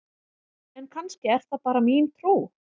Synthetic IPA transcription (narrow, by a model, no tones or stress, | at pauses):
ɛnkʰanscɪɛɾ̥θapaːɾamiːnt̪ʰɾuː